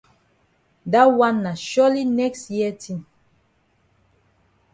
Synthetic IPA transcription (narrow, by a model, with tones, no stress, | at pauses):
da˦wã˦nːa˨ʃɔ˦li˦nɛ˦kstjiə˦tʰĩ˨m